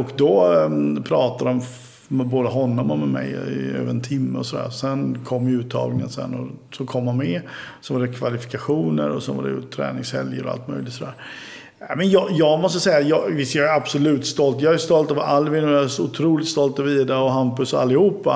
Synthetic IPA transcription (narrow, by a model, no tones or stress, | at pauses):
ɔkd̪ɔpʰɾɑːt̪ad̪ɔm | mɛboːd̪əɦɔnːɔmɔmɛmɛ̰jɪø̰ːvəɾɛnt̪ʰɪmːəɔsɔd̪æ̰ːɾsɛnkʰɔmːʉ̟ːt̪ʰːɑ̰ːɡlɪŋə̰nsɛ̰nːɔ̰sɔkʰɔmːhanmɛsɔvaɖɛkʰvalɪfɪ̥kaɧuːnə̰ɾɔsɛnva̰dɛ̰jʊ̰t̪ʰɾɛ̰ːnɪŋshɛ̰ljəɾɔ̰a̰lt̪mœ̰ʏjlɪt̪sɔd̪æːɾ | æmɛnjɑjɑːɡmɔst̪əsɛjːajɑvɪst̪jɑːɡæɾab̥sɔlʉ̟ːt̪st̪ɔlt̪jɑːæst̪ɔlt̪ɑvʔalːvɪnʉːjsʊt̪ʰɾuːlɪt̪st̪ɔlt̪ɑviːd̪aɔɦampɵsɔa̰lːɪhuːpːa